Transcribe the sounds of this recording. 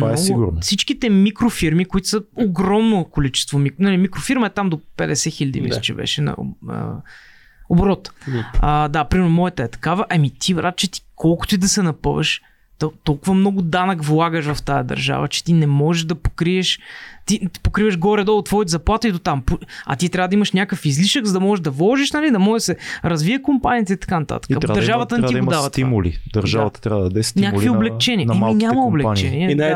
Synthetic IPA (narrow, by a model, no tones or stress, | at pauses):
mnaɔsɡ̪ʊʊ̰ɾnfsit͡ʃkit̪ɛmikɾofiɾmikʊit̪ʊ̥səoɡɾɔmnokolit͡ʃɛ̥st̪vomiknɐlimikɾofiɾməɛt̪amd̪opɛd̪ɛsɛxiʎʲɐd̪ḭmḭə̥t͡ʃɛ̰bɛ̰ʃɛnɐ̰ə̰ | obɾɔt̪əd̪apɾimɛɾnʊmɔɛt̪əɛt̪ɐ̥kavəʔɐmit̪ʰivɾat̪̚t͡ʃɛt̪i̥kʰɔlˠkʊ̥t̪ʊid̪ɐsɛnɐpə̰və̰ʃ | t̪t̪ɔlˠkʊvɐmnɔɡʊd̪anəkvlˠaɡəʃvɐft̪ajɐ̰d̪ɐ̰ɾʒa̰və̰t͡ʃɛ̥t̪inɛmɔʒɛʒd̪ɐpo̥kɾiɛʃt̪it̪ipokɾivəʒɡɔɾɛd̪ɔt̪vɔjt̪zɐplˠat̪id̪ot̪ampuɐ̰t̪it̪ɾavəd̪ɐiməʃnʲakəfizliʃəɡzɐd̪ɐmɔʒɛʒd̪ɐvlˠɔʒiʃnɐlid̪ɐmɔʒsɛɾɐzviəkʊmpaniət̪eit̪ɐ̥kanɐt̪a̰t̪ə̥kəd̪d̪ɐɾʒavət̪ənɛid̪avt̪t̪imʊlḭd̪ɐɾʒavɐt̪ə̥t̪ɾʲavəd̪d̪ɛssnnʲakkkvioblɛk̚t͡ʃɛniəiinʲaməoblɛkt͡ʃɛniɛ